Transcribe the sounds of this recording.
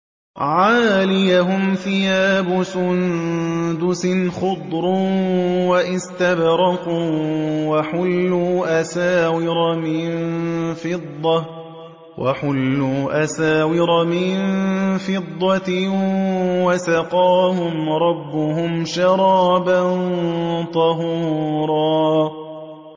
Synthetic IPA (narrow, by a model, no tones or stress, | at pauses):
ʕaːlɪjaɦʊmfɪjaːbʊsʊnd̪ʊsɪnxʊd̪ˤɾuːwaʔɪst̪abɾɑquːwaħʊlːuːʔasaːwɪɾɑmɪnfɪd̪ˤːɑ | wʔaħʊlːuːʔasaːwɪɾˤɑmɪnfɪd̪ˤːɑ | wasɑqɑːhʊmɾˤɑbːʊhʊmʃɑɾˤɑːbant̪ˤɑɦuːɾˤɑː